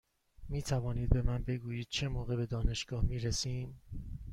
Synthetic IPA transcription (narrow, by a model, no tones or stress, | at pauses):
miːt̪ʰævɒːniːd̪̚be̞mænbe̞ɡuːjiːd̪̥̚t͡ʃʰe̞moːɣe̞be̞d̪ɒːne̞ʃɡ̥ɒːhmiːɾesiːm